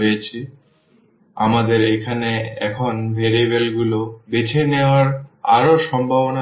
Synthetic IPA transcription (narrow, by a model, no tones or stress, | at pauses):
ojet͡ɕʰi | amad̪eɾekʰaneɛkʰonvʱeɾebelɡulobetʰeneoaɾaɾoʃɔmbʱabona